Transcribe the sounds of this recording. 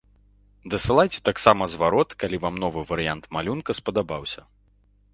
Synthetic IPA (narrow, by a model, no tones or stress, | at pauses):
d̪ɐsɨlˠajt͡sʲɛ̥t̪aksamɐzvaɾɔt̪kalʲivamnɔvɨvɐɾɨjant̪malʲunkɐspɐd̪abawsʲɐ